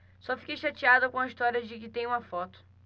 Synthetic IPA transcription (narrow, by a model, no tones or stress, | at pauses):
sɔfi̥kejʃat͡ʃiad̪ʊkõɐiʃt̪ɔɾiɐd͡ʒɪkɪt̪ẽj̃ũmɐfɔt̪ʊ̥